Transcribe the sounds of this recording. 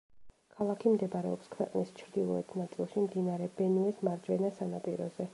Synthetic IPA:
kʰalˠakʰimd̪ɛbɾɛɔpskʰwɛqʼnist͡ʃʰɾd̪ilˠɔ̰ɛt̪ʰnat̪sʼilˠʃimd̪inaɾɛbɛnuɛsmaɾd͡ʒvɛnasanapʼḭɾɔ̰zɛ

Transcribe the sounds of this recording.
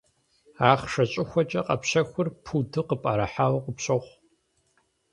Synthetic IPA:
aːχʂɐt͡ʃʼɪxʷɔt͡ʃʼɐqʼɐpɕɐxʷʊrpʰudʰɨqəpʼaːɾɐħaːwɐqəpɕɐχʷ

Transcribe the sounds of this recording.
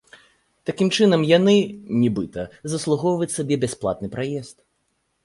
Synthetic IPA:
t̪akʲimt͡ʂɨnɐmjanɨnʲibɨt̪ɐzɐslˠuɣɔwvɐt͡sʲsabʲɛbʲɛsplˠa̰t̪̚nɨpɾajɛst̪̚

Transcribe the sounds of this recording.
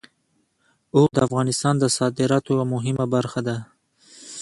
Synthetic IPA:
od̪əafɣɑnɪst̪ɑnd̪əsɑd̪ɪɾɑt̪oamʊɦɪmabaɾxad̪a

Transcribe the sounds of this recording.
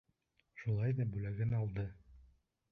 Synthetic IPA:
ʃulˠɑjd̪æbʉlæɡɘnɒlˠd̪ɤ

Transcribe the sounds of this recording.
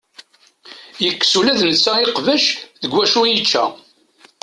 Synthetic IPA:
jəkːsulæðnət͡sːæɪqvəʃðəɡʷwæʃujit͡ʃːæ̰

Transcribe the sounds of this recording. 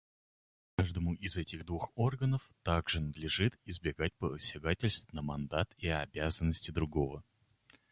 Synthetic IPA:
kaʐd̪əmʊʔɪzɛtʲɪɣd̪vuxo̞rɡənəft̪aɡʐɨnəd̪lʲɪʐɨt̪ɪzbʲɪɡat̚ʲpəsʲɪɡatʲɪlʲst̪nəmɐnd̪at̪iɐːbʲazənːəsʲtʲɪd̪ɾʊɡo̞və

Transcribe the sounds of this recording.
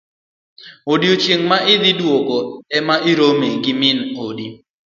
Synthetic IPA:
odiot͡ʃjeŋmaʔɪd̪ɪdwoɡoɛmaʔɪɾomeɡɪmɪnodi

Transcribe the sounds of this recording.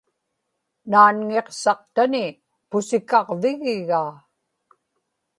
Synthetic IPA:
naːnŋeqsɑq̚t̪anɪ | pʊsɪkɑʁvɪɣɪɣaː

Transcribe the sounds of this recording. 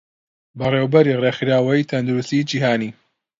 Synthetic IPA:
bɐreːwbɐɾireːxɾaːwɐit̪ʰɐnd̪uɾust̪id͡ʒiːɦaːniː

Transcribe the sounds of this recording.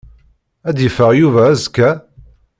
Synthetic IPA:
æd̪jəfəʁjuvæːzkːæ

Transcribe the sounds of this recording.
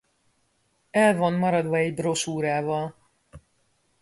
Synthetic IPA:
ɛlvo̞nmɒɾɒd̪ʋɒɛɟbro̞ʃuːɾaːvɒl

